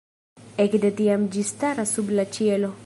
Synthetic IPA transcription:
ɛkdetiamd͡ʒistaɾasublat͡ʃielo

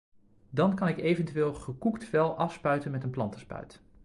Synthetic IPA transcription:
dɑnkɑnɪkejvəntyʋeːlˠχəkuktfɛlˠɑfspœɥtənmɛtənplɑntə̥spœ̰ɥt

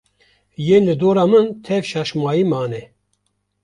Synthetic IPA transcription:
jeːnlɨd̪oːɾaːmɨnt̪ʰɛvʃaʃmaːjiːmaːnɛ

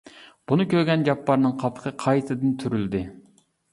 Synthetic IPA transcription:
b̥unɨkʲʰøɾɡʲɛnd͡ʒɑpʰːɑɾnɨŋqʰɑpʰə̥qʰəqʰɑjt̪ɨd̪ɨnt̪ʰyɾyld̪ɪ

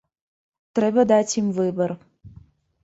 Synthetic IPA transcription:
t̪ɾɛbəd̪at͡sʲimvɨbər

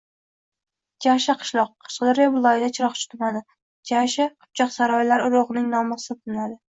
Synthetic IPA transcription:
d͡ʒaʃaqʰɨ̥ʃlˠɒqʰːɑ̥ʃqɨd̪ɪɾjabʊlˠɒjɪd̪at͡ʃʰɪɾɒχt͡ʃʰɪ̥t̪ʰʊmad̪ɪ | d͡ʒaʃaqʰʊ̥p̚t͡ʃʰɒqsaɾɒjlaɾʊɾoʁnɪŋnɒmɑsɪɪt̪ʰɪnlad̪ɪ

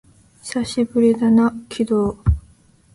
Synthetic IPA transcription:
saɕibɯ̟ɾʲid̪anakʲʰid̪oː

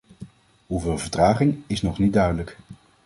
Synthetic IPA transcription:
ɦuvɪːlˠvəɹtraːχɪŋɪsnɔχnit̚dœɥdələk

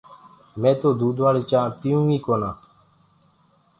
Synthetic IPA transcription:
mɛ̃ːt̪oːd̪uːd̪ʋaːɽiːt͡ʃãːpijũːĩːkoːnãː

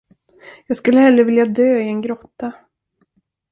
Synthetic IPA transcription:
jɑːɡskɵlːəhɛlːəɾvɪljad̪øːɪɛnɡɾɔt̪ːa

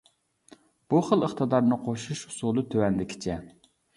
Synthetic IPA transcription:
b̥uχəlˠəχt̪ɨd̪ɑɾnɨqʰoʃuʃhʊ̥sulˠɨt̪ʰøwɛnd̪ɪkʲʰɪ̥t͡ʃʰɛ

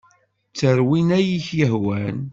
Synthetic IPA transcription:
t͡sːəɾwinæjiçjəɦwæn

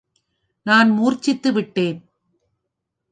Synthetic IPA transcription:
naːnmuːɾt͡ʃɪt̪ːɯʋɪʈːeːn

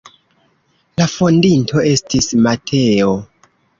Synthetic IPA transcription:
lafo̞ndintʰo̞e̞stismatʰe̞o̞

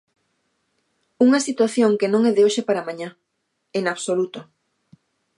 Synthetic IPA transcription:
uŋɐsit̪waθjoŋkenõŋɛðeoʃɪpaɾamaɲa | eŋaβsolut̪o

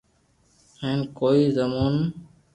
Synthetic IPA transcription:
hẽːnkoːiːzəmoːn

